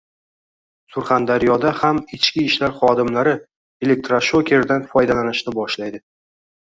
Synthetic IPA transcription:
sʊɾχand̪aɾjɒd̪ahamɪt͡ʃkʲɪɪʃlaɾχɒd̪ɪmlaɾɪ | ele̞k̚t̪ɾaʃokʲʰe̞ɾd̪anfɒjd̪alanɪʃnɪbɒʃlajd̪ɪ

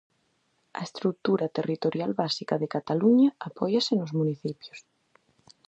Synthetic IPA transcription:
ɐ̰est̪ɾuk̚t̪uɾat̪erit̪oɾjalβasikaðekat̪aluɲaapɔjasenozmuniθipjos

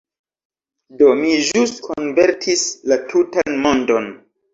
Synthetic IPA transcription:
do̞miʒustkʰonve̞ɾtʰislatʰutanmo̞ndo̞n

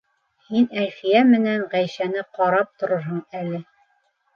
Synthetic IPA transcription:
hinælfijæmɘ̆næɴʁæjʃænɘqɑɾɑp̚t̪ŏɾɤɾɦɤɴælɘ

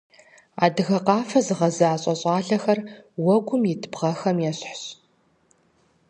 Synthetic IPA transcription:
a̰ːdɨɣɐqɑːfɐzɨʁɐzaaːɕʼɐɕʼɑːɮɐxɐrwɔɡʷʊmjɪtʰɨbʁɐxɐmjɛɕħɕ

